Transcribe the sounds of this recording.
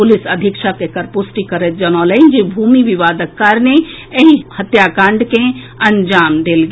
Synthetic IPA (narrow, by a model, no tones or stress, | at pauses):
pʊlɪsɐd̪ʱɪkʃakekɐɾpʊsʈikɐɾet̪̚d͡ʒɐnoːləind͡ʒebʱuːmiʋɪʋaːd̪əkːaɾne | eĩhɐt̪jaːkãːɳɖkẽ | ɐ̃ɲd͡ʒaːmd̪eːlɡ